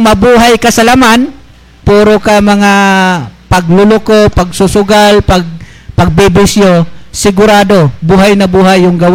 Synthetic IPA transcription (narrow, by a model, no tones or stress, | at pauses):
mɐbuːɦajkɐsɐlaman | puːɾokɐmɐŋa | pɐɡlʊlʊkopɐɡsʊsʊɡalpɐɡ̚ | pɐɡ̚bɪbɪsjosɪɡʊɾaːd̪o̞buɦajnɐbuːɦajʊŋɡɐw